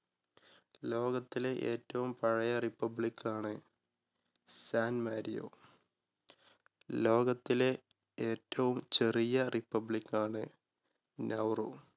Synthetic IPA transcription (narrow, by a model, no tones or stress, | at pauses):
lo̞ːɡɐt̪ːileʔḛːtːɐʋumpɐɻɐjɐripːɐbɭikʰːaːɳɨ | saːnmaːɾijo̰ː | lo̞ːɡɐt̪ːile | eːtːɐʋumt͡ɕe̞rijɐripːɐbɭikːaːɳɨ | nɐwru